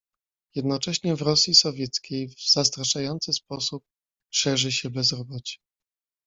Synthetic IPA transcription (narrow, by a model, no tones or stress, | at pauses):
jɛd̪nɔt͡ʂɛɕɲɛvɾɔsʲjisɔvʲjɛt̪skʲejvz̥ast̪ɾaʂajɔnt̪sɘspɔsup̚ | ʂɛʐɘɕɛbɛzɾɔbɔt͡ɕɛ̥